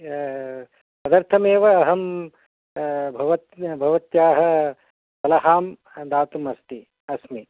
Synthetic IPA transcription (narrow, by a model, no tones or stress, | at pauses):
ɐd̪ɐɾt̪ʰɐmeːʋɐːɦɐm | bʱɐʋɐt̪bʱɐʋɐt̪jaːɦɐ̆ | pɐlɐɦaːm | d̪aːt̪umɐst̪i | ɐsmi